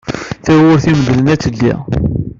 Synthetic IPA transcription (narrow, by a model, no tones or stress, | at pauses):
θæwʊɾθiməðlənæt͡sːəlːḭʁ